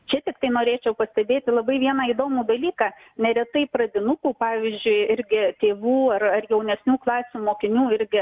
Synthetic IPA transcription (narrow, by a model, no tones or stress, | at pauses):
t͡ʃʲɛt̪ʲɪkt̪ɐɪnoːɾʲeːt͡ʃʲɛʊpɐsʲt̪ʲɛd̪ʲeːt̪ʲɪlˠɐbɐɪʋʲiɛnɑːid̪oːmuːd̪ɐlʲiːkɑː | nʲɛɾʲɛt̪ɐɪpɾɐd̪ʲɪnʊkuːpɑːʋʲiːzʲd͡ʒʲʊɪɪɾʲɡʲɪt̪ʲeːʋuːɐrɐrjɛʊnʲɛsʲnʲuːklˠɑːsʲuːmoːkʲɪnʲuːɪɾʲɡʲɪ